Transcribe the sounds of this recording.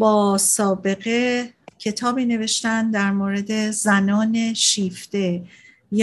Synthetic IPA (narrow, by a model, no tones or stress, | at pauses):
bɒːsɒːbe̞ɣe̞cʲʰe̞t̪ʰɒːbiːne̞ve̞ʃt̪ænd̪æɾmoːɾe̞d̪e̞zænɒːne̞ʃiːft̪e̞ | j